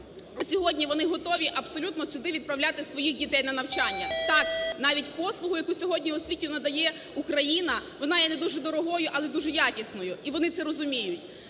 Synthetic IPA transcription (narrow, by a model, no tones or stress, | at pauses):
ɐsʲɔɦɔdʲnʲiʋɔnɪɦɔt̪ɔʋʲiʔɐbsɔlʲut̪nɔsʲʊd̪ɪʋʲid̪pɾɐwlʲat̪ɪsʋɔjixdʲit̪ɛjnɐnɐwt͡ʃɑnʲːɐt̪ɑknɑʋʲitʲpɔslˠʊɦʊjɐkusʲɔɦɔdʲnʲiɔsʲʋʲitʲinɐd̪ɐjɛ | ukɾɐjinɐʋɔnɑjɛnɛd̪uʒɛd̪ɔɾɔɦɔjʊʔɐlˠɛd̪uʒɛjɑkʲisnɔjʊiʋɔnɪt̪sɛɾɔzʊmʲijʊtʲ